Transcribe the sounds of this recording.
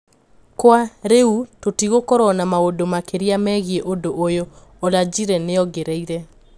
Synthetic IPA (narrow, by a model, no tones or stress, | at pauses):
kwaɾeutotiɣokɔɾɔnamaodomakeɾiamɛɣieʔodoʔːjoː | lad͡ʑiɾɛneɔɡeɾeiɾɛ